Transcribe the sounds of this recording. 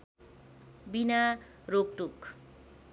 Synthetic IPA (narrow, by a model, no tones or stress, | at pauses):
binaɾok̚ʈuk